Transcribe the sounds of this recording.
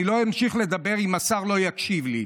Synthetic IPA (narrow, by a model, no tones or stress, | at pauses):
lo̞imʃiχle̞d̪abe̞ʁimasaʁlo̞jakʃivli